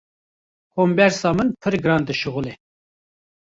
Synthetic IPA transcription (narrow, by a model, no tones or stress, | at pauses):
koːmbɛɾsɑːmɨnpʰɨɾɡɨɾɑːnd̪ɨʃɨɣule